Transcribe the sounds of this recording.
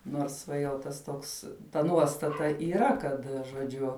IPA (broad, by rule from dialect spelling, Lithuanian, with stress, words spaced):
noːrs ˈʋɐ jɛʊ ˈtɐs ˈtoːks tɐ ˈnuɔstɐtɐ iːˈrɐ ˈkɐt ʒoːˈd͡ʒʲʊ